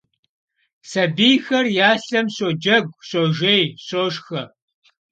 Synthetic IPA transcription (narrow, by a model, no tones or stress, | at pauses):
sɐbijxɐrjaːɬɐmsod͡ʒɐɡʷsoːʒejɕoːʂxɐ